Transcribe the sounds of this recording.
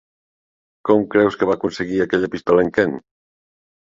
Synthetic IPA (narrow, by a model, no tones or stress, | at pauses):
kɔmkɾɛwskeβakunseɣiakɛʎapist̪ɔleŋken